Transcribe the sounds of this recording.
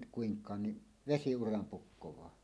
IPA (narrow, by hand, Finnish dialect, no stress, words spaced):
kuiŋkˑɑːn ni ʋesiurɑm pukːowɑː